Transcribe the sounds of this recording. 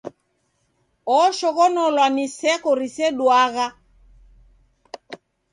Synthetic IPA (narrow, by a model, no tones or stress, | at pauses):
ɔʃɔɣɔnɔlwanisɛkɔɾisɛɗwaɣa